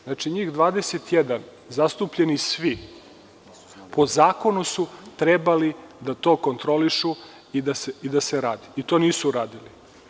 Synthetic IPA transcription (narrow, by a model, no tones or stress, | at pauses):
znaːt͡ʃiɲiːxd̪ʋaːd̪eset̪jed̪an | zast̪upʎenisʋi | pʰo̞zaːko̞nusut̪ɾebalid̪at̪o̞ːko̞nt̪ɾo̞liʃu | id̪aseid̪aseɾaːd̪i̥it̪o̞ːniːsuɾaːd̪ili